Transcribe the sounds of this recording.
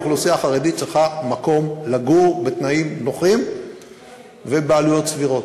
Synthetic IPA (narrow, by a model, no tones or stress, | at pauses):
χlosiaχaʁed̪it͡ʃelχamako̞mlaɡuʁbet̪naimno̞χim | ve̞bealujo̞t̪sviʁo̞t